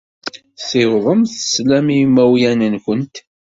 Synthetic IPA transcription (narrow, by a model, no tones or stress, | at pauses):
θɪwðˤəmθəslæmimæwjænənkənt̪